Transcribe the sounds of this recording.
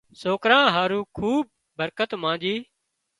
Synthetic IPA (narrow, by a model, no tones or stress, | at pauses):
soːkɾãːɦaːɾũːkʰuːb̚ːəɾkət̪mãːd͡ʒiː